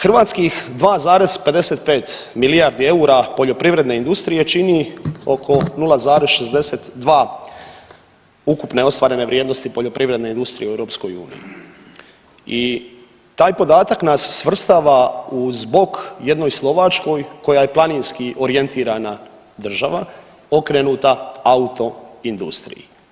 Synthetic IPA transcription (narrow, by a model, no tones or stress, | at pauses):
xr̩ʋaːt̪skixd̪ʋaːzaːɾe̞z̥pe̞d̪e̞se̞t̪̚pe̞ːt̪milijaɾd̪ie̞uɾapo̞ʎo̞pɾiʋɾe̞d̪ne̞ind̪ust̪ɾije̞t͡ʃinio̞kʰo̞nulˠazaːɾesʃe̞zd̪e̞set̪d̪ʋaː | ukupne̞o̞st̪ʋaːɾe̞ne̞ʋɾjeːd̪nost̪ipoʎo̞pɾʔiʋɾed̪ne̞ind̪ust̪ɾijeuevɾo̞ːpsko̞jṵːnḭjḭ | i | t̪aːjpo̞d̪aːt̪aknasːʋr̩st̪aːʋauzbo̞kje̞d̪nojslˠo̞ʋat͡ʃko̞jko̞jaje̞plˠaninskiʔo̞ɾie̞nt̪iːɾana | d̪r̩ʒaʋa | o̞kɾeːnuːt̪aaut̪o̞ind̪ṵst̪ɾḭjḭ